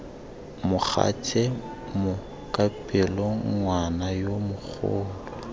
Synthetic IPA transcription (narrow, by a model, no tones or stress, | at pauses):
mʊk͡xʰa̰t͡ʃʼɛ | mʊ | kʼapʼɪlɔŋ̩ŋwanajomʊk͡xʰʊ̰ːlɔ